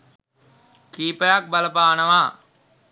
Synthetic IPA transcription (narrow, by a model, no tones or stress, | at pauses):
kiːpəjak̚baləpaːnəʋaː